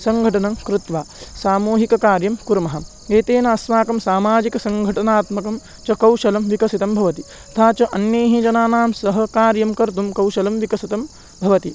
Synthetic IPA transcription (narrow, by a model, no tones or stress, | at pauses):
sɐŋɡʱɐʈɐnɐmkɾɪt̪ʋaːsaːmuːɦikɐkaːɾjɐmkuɾɐmɐɦɐm | eːt̪eːnɐɐsmaːkɐmsaːmaːd͡ʒikɐsɐŋɡʱɐʈɐnaːt̪mɐkɐm | t͡ʃɐkɐwʃɐlɐmʋikɐsit̪ɐmbʱɐʋɐt̪i | ɐt̪ʰaːt͡ʃɐʔɐnjeːɦid͡ʒɐnaːnaːmsɐɦɐ̆kaːɾjɐmkɐɾt̪umkɐwʃɐlɐmʋikɐsit̪ɐm | bʱɐʋɐt̪i